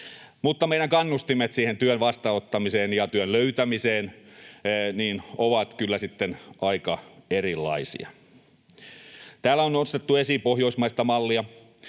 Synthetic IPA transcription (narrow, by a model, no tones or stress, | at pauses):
mut̪ːɑmeiɾɑŋkɑnːust̪imet̪siːhent̪yønʋɑst̪ɑot̪ːɑmiseːnjɑt̪yønløyt̪æmiseːn | niːnoʋɑt̪kylːæsit̪ːenɑikɑerilːɑ̰isḭɑ̰ | t̪æːlːæonost̪et̪ːuesipohjoismɑist̪ɑmɑlːiɑ